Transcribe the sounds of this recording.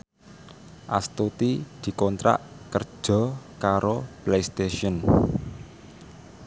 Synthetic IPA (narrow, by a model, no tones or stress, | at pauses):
ʔa̰st̪ut̪id̪̥i̤kɔnt̪ɾa̰ʔkər̥ʒ̥ɔ̤kaɾoplejst̪eʃiɔn